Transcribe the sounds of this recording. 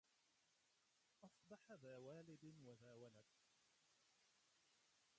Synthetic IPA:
ʔɑsb̪ɑħaðaːwaːlɪbwaðaːwalad̪

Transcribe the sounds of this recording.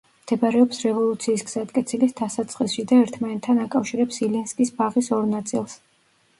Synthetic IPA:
md̪̥ɛbaɾɛɔpsɾɛvɔlˠut̪sʰiːsɡz̥at̪kʼɛt̪sʰilisd̪asat̪sʰʼχʼisʃid̪aɛɾt̪ʰmanɛt̪ʰːanakʼafʃiɾɛpsilɛnskʼisbaʁisɔɾnat̪sʼḭlˠs

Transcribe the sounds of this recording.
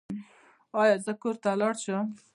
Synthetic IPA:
ɑjɑzəkoɾt̪alɑɽʃəm

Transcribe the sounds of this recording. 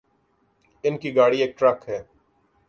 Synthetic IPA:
ɪnkiːɡaːɽiːeːk̚ʈɾəkɦɛː

